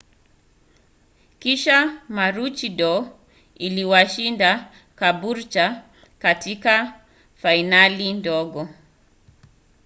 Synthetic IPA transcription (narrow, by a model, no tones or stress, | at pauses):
kiʃamaɾut͡ʃiɗɔ | iliwaʃinda | kabuɾt͡ʃa | katika | fainalindɔɠɔ